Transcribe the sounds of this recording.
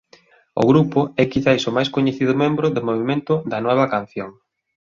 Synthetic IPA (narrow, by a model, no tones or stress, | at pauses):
ʊ̰ɣɾupʊɛkiθajsʊmajskoɲeθiðʊmẽmbɾʊðʊmoβ̞imẽnt̪ʊðɐnɔβ̞ɐkan̟θjoŋ